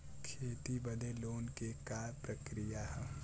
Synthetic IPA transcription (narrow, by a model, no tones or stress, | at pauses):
kʰeːt̪ibəd̪eloːnkekaːɾpɾəkɾijaɦɛ